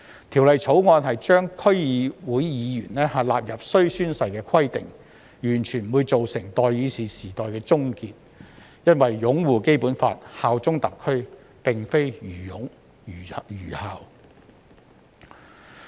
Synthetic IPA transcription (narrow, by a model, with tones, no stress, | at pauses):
t̪ʰiː˨˩wlɐ˨jt͡sʰo˨˥wŋɔː˧nɦɐ˨jt͡ʃœː˥ŋkʰɵ˥ɥjiː˨˧wuː˨˥jjiː˨˧jyː˨˩nlɛː˥haː˨laː˨˧p̚jɐ˨p̚sɵ˥ɥsyː˥nsɐ˨jkɛː˧kʰɐ˥jt̪ɪ˨ŋ | jyː˨˩nt͡ʃʰy˨˩nm̩˨wu˨˧jt͡so˨wsɪ˨˩ŋt̪ɔː˨˩jiː˨˧siː˨siː˨˩t̪ɔː˨jkɛː˧t͡sʊ˥ŋkiː˧t̚ | jɐ˥nwɐ˨jːʊ˨˥ŋwuː˨ke˥jpuː˨˥nfa̰ː˧t̚haː˨wt͡sʊ˥ŋt̪ɐ˨kʰːɵ˥ɥ | pɪ˨ŋfe˥jjyː˨˩jʊ˨˥ŋ˨ | jyː˨˩haː˨w